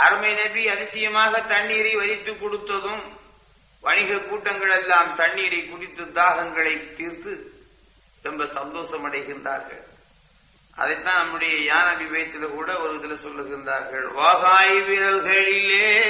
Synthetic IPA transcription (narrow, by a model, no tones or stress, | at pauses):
ʔɐɾɯmɐɪnɐbiɐðɪsɐjɐmaːɣɐt̪ɐɳːiːɾɐɪʋɐðɪt̪ːɯkːɔɽɯt̪ːɐðɯm | ʋɐnɪɣɐkːuːʈːɐŋɡɐɭɛlːaːmt̪ɐɳːiːɾɐɪkːʊɽɪt̪ːɯd̪aːɣɐŋɡɐɭɐɪt̪ːiːɾt̪ɯ | ɛmbɐsɐnd̪oːsɐmɐɽɐɪɣɪɾɪndra̰ːɾɣɐ̰ɭ | ʔɐ̰ðɐɪt̪ːãːnɐmːɯɽɐjɐjaːnɐbɪʋɐjɐt̪ːɪlkuːɽɐɔɾɯɐðɪlɐsɔlːɯɣɪɾɪnda̰ːɾɣɐɭʋaːɣaːjʋɪɾɐlɣɐɭɪlːeː